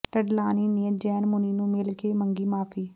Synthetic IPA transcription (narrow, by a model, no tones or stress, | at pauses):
ʈəɖlaːniːnɪjəd͡ʒɛːnmʊniːnũːmɪlkeːmə̃ŋɡiːmaːpʰiː